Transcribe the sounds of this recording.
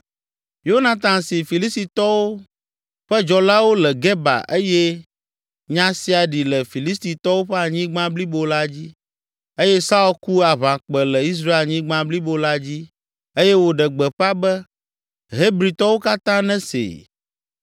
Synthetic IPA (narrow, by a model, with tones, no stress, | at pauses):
jo˦nã˨t̪ã˨nsi˨fi˨li˦st̪i˨t̪ɔ˦wo˦ | ɸɛ˦d͡ʒɔ˨la˦wo˦lɛ˨ɡɛ˦ba̰˨ʔe˦jɛ˦ | ɲã˦si˦a˨ɖi˨lɛ˨fi˨li˦st̪i˨t̪ɔ˦wo˦ɸɛ˦a˨ɲĩ˦ɡ͡bã˦bli˦bo˦la˦d͡ʑi˦ | e˦jɛ˦sa˦u˦˨lku˦a˨βã˨k͡pɛ˨lɛ˨i˦s̬ɾa˦e˦˨lɲĩ˦ɡ͡bã˦bli˦bo˦la˦d͡ʑi˦ | e˦jɛ˦wo˦ɖɛ˨ɡ͡bɛ˨ɸa˦bɛ˦ | ɦe˦bɾi˨t̪ɔ˦wo˦ka˦t̪ã˦nɛ̃˦sḛ˨